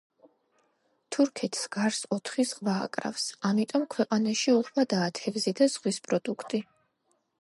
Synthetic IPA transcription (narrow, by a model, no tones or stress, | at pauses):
t̪ʰuɾkʰɛt̪ʰsɡ̥aɾsɔt̪ʰχizʁva̰ːkʼɾa̰fsamit̪ʼɔmkʰwɛqʼanaʃiuʁvad̪aːt̪ʰɛvzid̪az̥ʁwispʼɾɔd̪ukʰt̪ʼi